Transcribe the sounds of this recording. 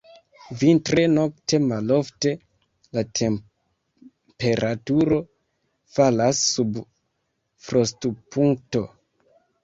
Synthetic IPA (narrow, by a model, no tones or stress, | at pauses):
vintɾeno̞kte̞malo̞fte̞ | latʰem | pe̞ɾʔatuɾo̞ | falasːub | fɾostupʰuŋk̚to̞